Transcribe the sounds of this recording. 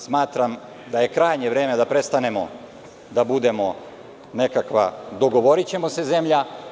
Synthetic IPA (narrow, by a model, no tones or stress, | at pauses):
smaːt̪ɾam | d̪aje̞kɾaːjɲe̞ʋɾe̞ːmed̪apɾe̞st̪ane̞mo̞̰ | d̪abud̪e̞mo̞ | ne̞kakʋa̰d̪o̞ɡo̞ʋo̞ɾit͡ɕe̞mo̞se̞ze̞mʎa